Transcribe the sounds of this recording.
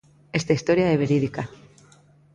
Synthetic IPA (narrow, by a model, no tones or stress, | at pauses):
est̪aist̪oɾjaeβeɾiðika